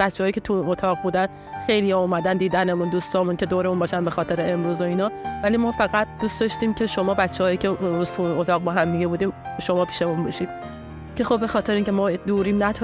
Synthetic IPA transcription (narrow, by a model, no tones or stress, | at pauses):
b̥æt̪t͡ʃːehːicʰe̞t̪ʰuinot̪ʰɒːɣ̚buːd̪æn | xe̞jlijɒːomæd̪ænd̪iːd̪ænemund̪ust̪ɒːmunkʰe̞d̪oːɾe̞munbɒːʃænbexɒːt̪ʰe̞ɾeemɾuːzo̞iːnɒːvælimɒːfæɣæt̪̚d̪̥uːsd̪ɒʃt̪iːmcʰe̞ʃo̞mɒːbætt͡ʃːehɒːjicʰʲeeɾuːz̥t̪ʰunʔot̪ʰɒːɣ̚bɒːɦæmd̪iɡebuːd̪iːmʃo̞mɒːpʰi̥ːʃeunbɔʃiːd̪ | cʰe̞xo̞bbe̞xɒːt̪ʰeɾeiŋcʰemɒːd̪uːɾiːmnæt̪ʰ